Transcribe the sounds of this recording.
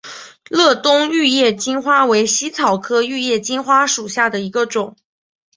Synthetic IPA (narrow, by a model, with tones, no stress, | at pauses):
lɤ˥˩t̪ʊ˥ŋy˥˧jɛ˥˩t͡ɕi˥nxwa˥we˧˥ɪɕi˥t͡sʰɑ˨˩ʊkʰɤ˥y˥˧jɛ˥˩t͡ɕi˥nxwa˥ʂu˨˩ɕja˥˩d̪ə˩i˧˥ɡə˧ʈ͡ʂʊ˨˩˦ŋ